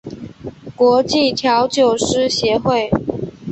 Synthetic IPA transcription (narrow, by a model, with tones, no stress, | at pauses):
kwɔ˧˥t͡ɕi˥˨t̪ʰjɑ˧˥ʊt͡ɕjo˨˩ʊʂɻ̩˥ɕjɛ˨˥xwe˥˨ɪ